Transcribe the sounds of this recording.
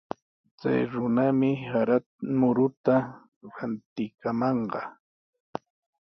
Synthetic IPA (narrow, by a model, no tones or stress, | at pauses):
t͡sa̰jɾʊnamɪhaɾa | mʊɾʊt̪a | ɾant̪ɪkamɑɴɢɑ